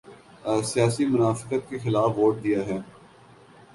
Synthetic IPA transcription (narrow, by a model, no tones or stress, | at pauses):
sɪjaːsimʊnaːfɪ̥kət̪̚kexɪlaːfʋoːʈ̚d̪ijaɦɛː